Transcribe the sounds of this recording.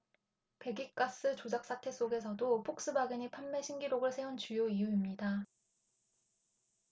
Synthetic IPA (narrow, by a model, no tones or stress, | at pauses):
pe̞ɡik̚k͈as͈ɯt͡ɕod͡ʑak̚s͈ʰatʰe̞s͈oɡe̞sʰʌdopʰok̚s͈ɯbaɡɯɲipʰamːe̞ɕʰiŋɡiɾoɡɯɭsʰe̞unt͡ɕujoijuimɲida